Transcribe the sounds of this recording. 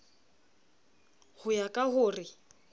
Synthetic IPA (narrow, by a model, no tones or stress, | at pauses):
hʊjakʼaɦʊːrɪ